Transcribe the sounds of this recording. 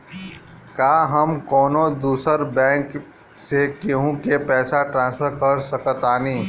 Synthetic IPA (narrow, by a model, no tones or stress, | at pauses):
kaːɦəmkɔːnõd̪uːsəɾbɛ̃ːŋk | sekeɦũkepɛːsaʈɾãːnspʰəɾkəɾsəkət̪aːniː